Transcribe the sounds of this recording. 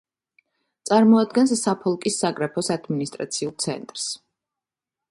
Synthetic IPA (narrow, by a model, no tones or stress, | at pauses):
t̪sʼaɾmɔad̪̚ɡɛnsːapʰɔlˠkʼisːaɡɾapʰɔsad̪minist̪ʼɾa̰t̪sʰiulˠt̪sʰɛ̰nt̪ʼɾs